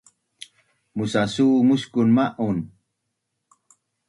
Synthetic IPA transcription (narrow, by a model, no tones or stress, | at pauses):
musasuːmuskunmaʔun